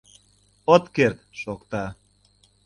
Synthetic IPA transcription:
ot̪kert̪ʃokt̪ɑ

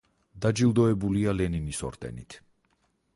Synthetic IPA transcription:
d̪ad͡ʒilˠd̪ɔɛbulialɛninisɔ̰ɾt̪ʼɛ̰nit̪ʰ

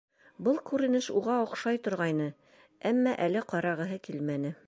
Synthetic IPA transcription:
bɤlˠkʉɾɘ̆nɘʃuʁɑŏqʃɑjt̪ŏɾʁɑjnɤ | æmːɑʔælɘqɒɾɑʁɤ̆ɦɤkilmænɘ

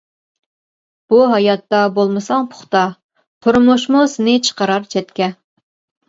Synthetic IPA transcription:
b̥uɦɑjɑt̪ːɑbolˠmɨsɑŋpʰʊ̥χt̪ɑ | t̪ʰʊɾmoʃmʊsɪnɪt͡ʃʰə̥qəɾɑɾt͡ʃʰɛt̪kʲɛ

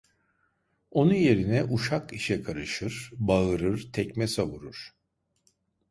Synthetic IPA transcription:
o̞nuje̞ɾinɛʔuʃakiʃɛkʰaɾɯʃɯɾ̥baɯɾɯɾt̪ʰɛcmɛsavuɾuɾ̥

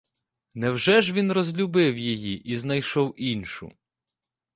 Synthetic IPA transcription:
nɛwʒɛʒʋʲinrɔzʲlʲubɪwjijiʔiznɐjʃɔwinʲʃʊ̰

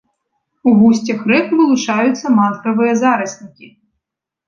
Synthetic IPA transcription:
uɣusʲt͡sʲɐxɾɛkvɨlˠut͡ʂajut̪sːɐmat̪ɾɐvɨjɐzaɾɐsʲnʲikʲi

